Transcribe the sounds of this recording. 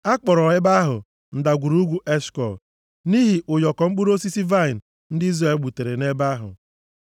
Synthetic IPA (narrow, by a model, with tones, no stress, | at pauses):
a˦k͡pɔ˨ɾɔ˨ɪ˦ba˦ɦʊ˨ | n̩˨da˨ɡʷu˨ɾu˦ɡʷu˦ʔe˦skɔ˨l | ni˦ɦi˨ʔʊ˨jɔ˨kɔ˨ŋ͡m̩˦k͡pu˦ɾo˦si˦si˦va˦ɪ˨n̩˨ | n̩˦dɪ˦i˦ze˦˨lɡ͡bu˨te˨ɾe˨ne˦ba˦ɦʊ̰˨